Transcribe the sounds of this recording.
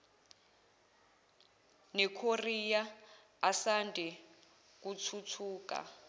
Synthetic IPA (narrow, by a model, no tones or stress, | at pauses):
nɛkʰorija | asandʱɛ | k̬ut͡sʰut͡sʰuːka̰